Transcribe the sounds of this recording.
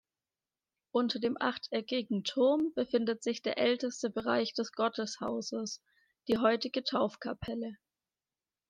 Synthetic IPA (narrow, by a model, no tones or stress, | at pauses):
ʔʊntɐdeːmʔa̰χtʰɛkɪɡŋ̩tʰʊɐmb̥əfɪndətz̥ɪçd̥eːɐʔɛltəstəbəʁa̰ɪçd̥ɛsɡ̥ɔtəsha̰ʊzəs | d̥iːɦɔʏtɪɡətʰaʊfkʰapʰɛlə